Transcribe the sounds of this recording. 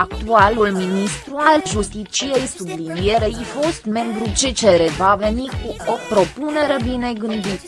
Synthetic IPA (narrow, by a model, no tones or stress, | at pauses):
ak̚tt̪ualulminist̪ɾualʒust̪it͡ʃijejsublinije̞ɾeifo̞st̪me̞mbɾut͡ʃet͡ʃeɾevave̞nikuo̞pɾo̞pune̞ɾebine̞ɡɨnd̪it̪